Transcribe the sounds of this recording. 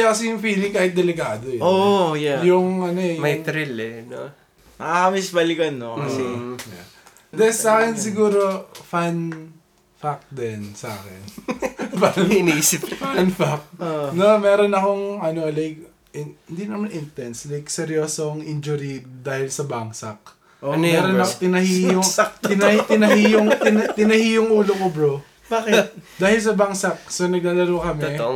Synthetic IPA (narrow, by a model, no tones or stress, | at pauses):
jakɐsɛjʊŋfiːlɪŋkaːhɪt̪̚d̪ɛlɪkaːd̪ojojajʊŋɐnoɛmɐjt̪ɾɪlɛno | mɐakɐmɪsbɐlɪkɐnːokɐsɛja̰ | d̪ɛsaːkɛnsɪɡuːɾo̞fan | fak̚d̪ɛnsa̰ːkɛ̰nfanɪnʔisɪpfanfak̚onomɛːɾonɐkoŋɐno̞lɛjɡ | ɪhɪnd̪inɐmanʔɪnt̪ɛnslajksɛɾjoːsoŋʔind͡ʒʊɾid̪aːhɪlsɐbaŋsɐk̚ | onmɛɛːɾonɐkt̪ɪnɐhiːoŋɪnɐt̪ɪnɐhijoŋt̪ɪnɐt̪ɪnɐhiːjʊŋʔuːlokobɾo | bakɪt̪d̪aːhɪls̬ɐbaŋsɐk̚sonɐɡ̚laːlɐɾokɐmɛ